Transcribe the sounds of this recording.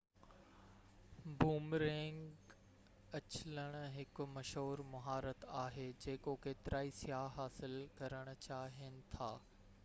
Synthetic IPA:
buːmɾẽːŋɡ | ɐt͡ɕɪləɽ̃ɦɪkʊ̆mɐʃɦoːɾmʊɦaːɾət̪aːɦeːd͡ʑeːkokeːt̪ɪɾʔaːisijaːɦɦaːsɪlkɐɾəɽ̃ʊ̆t͡ɕaːɦiənɪ̆t̪ʰa̰ː

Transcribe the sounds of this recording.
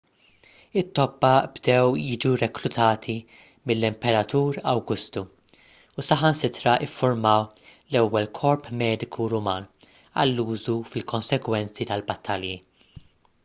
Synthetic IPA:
ɪt̪ːɔbːɐbd̪ɛwjɪːd͡ʒuɾɛkɾʊt̪ɐːt̪ʰi | mɪlːɪmpɛɾɐt̪uːɾɐwɡʊst̪u | usɐħɐnsɪt̪ɾɐʔɪfːʊɾmɐw | lɛwːɛlkʰɔɾpmɛːd̪ɪkʰuɾʊmɐːn | ɐ̰lːuːzufɪlkɔnsɛɡwɛnt͡sit̪ɐlbɐt̪ʰːɐlji

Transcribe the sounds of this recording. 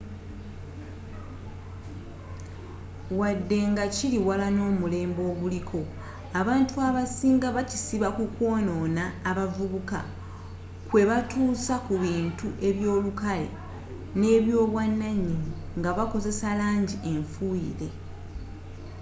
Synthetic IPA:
wadːe̞ŋɡaciliwalano̞ːmule̞ːmbo̞ːɡulikʰo̞ | aβaːntuaβasiːŋɡaβacisiβakukwo̞ːno̞naːβavuβuka̰ | kwe̞βatuːsakuβiːntuʔe̞βjo̞ːlukale̞̰ | ne̞ːβjo̞ːβwanːaɲːiɲi | ŋɡaβako̞ze̞salaːɲɟie̞ɱfuḭɾe̞

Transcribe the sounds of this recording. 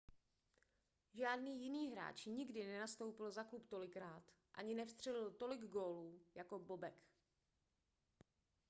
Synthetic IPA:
ʒaːdniːjɪniːɦɾa̰ːt͡ʃɲɪɡdɪnɛnast̪o̞wpɪlzaklupt̪o̞lɪkɾaːt̪ʔa̰ɲɪnɛfst̪r̝̥ɛlɪlt̪o̞lɪɡɡo̞ːluːjako̞bo̞bɛk

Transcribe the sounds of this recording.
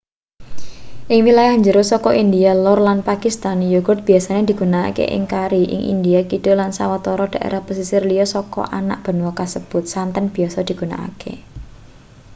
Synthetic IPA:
ʔɪŋwilajaɲd͡ʒəɾosɔkɔʔind̪ialɔrlanpakist̪anjoɡʊrt̪̚b̥i̤asaned̪̥i̤ɡ̥una̰ːkḛʔɪ̰ŋkaɾiʔɪ̰ŋʔḭnd̪iakid̪̥o̤lansawat̪ɔɾɔd̥a̤ʔḛɾʔahpəsisirliɔsɔkɔ̰ʔa̰na̰ʔb̥ə̤nwɔkasəb̥ʊt̪̚sant̪ənb̥i̤asɔd̪̥i̤ɡ̥ṳna̰a̰kḛ

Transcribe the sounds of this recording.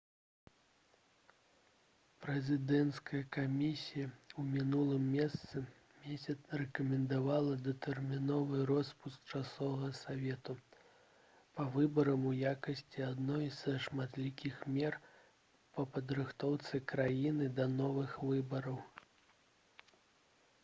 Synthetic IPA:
pɾɛzʲɨd̪ɛnt̪skɐjɐkamʲisʲijɐumʲinulˠɨmːʲɛst̪sɨ | mʲesʲɐt̪srɛkɐmʲɛnd̪avalˠɐd̪ɐt̪ɛrmʲinɔvɨrɔspusk̚t͡ʂasɔvɐɣɐsavʲɛt̪u | pɐvɨbɐɾɐmujakɐsʲt͡sʲiad̪nɔjzɐʂmat̪lʲikʲixmʲɛr | pɐpɐd̪ɾɨxt̪ɔwt̪sɨkɾajinɨd̪ɐnɔvɨxvɨbɐɾɐw

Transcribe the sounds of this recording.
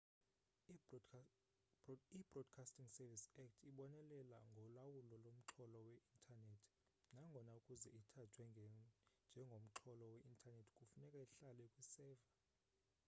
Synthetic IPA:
ib̥rɔd̥kʰastiŋsɛvisɛk̚tʰiɓɔnɛlɛlaŋɡʱɔlawulɔlom̩ǁʰɔlɔwɛʔintʰʼanetʰ | naŋɡʱɔnaukʼuzɛitʰatʰwɛŋɡʱɛnd͡ʒʱɛŋɡʱom̩ǁʰɔlɔwɛʔintʰʼanetʰi̥kʼufunɛkʼaiɬalɛkʼwisɛːva

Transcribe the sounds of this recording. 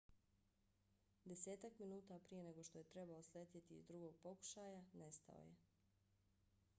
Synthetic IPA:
d̪e̞se̞ːt̪akminuːt̪apɾije̞ne̞ɡo̞ʃt̪o̞jet̪ɾe̞baosleːt̪jet̪ḭːzd̪ɾuɡo̞ɡ̚po̞ku̥ʃaːjane̞st̪a̰o̰je̞

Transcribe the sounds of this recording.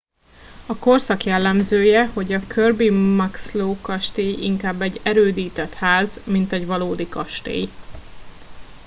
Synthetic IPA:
ɒko̞rsɒkjɛlːɛmzøːjɛho̞ɟɒkʰørbimɒksloːkɒʃt̪eːjḭŋkaːbːɛɟːɛɾøːd̪iːt̪ɛt̪haːzmint̪ɛɟʋɒloːd̪ikɒʃt̪ḛːj

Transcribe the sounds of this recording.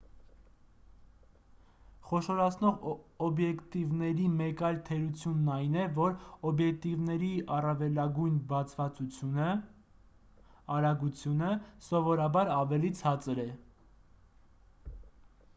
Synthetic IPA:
χɔʃɔɾɑt͡sʰnɔʁɔbjɛkt̪ivnɛɾimɛkɑjlt̪ʰɛɾut͡sʰjunːɑjnɛvɔɾɔbjɛk̚t̪ivnɛɾiɑrɑvɛlɑɡujnbɑt͡sʰvɑt͡sut͡sʰjuə | ɑɾɑɡut͡sʰjunəsɔvɔɾɑbɑɾɑvɛlit͡sʰɑt͡səɾɛ

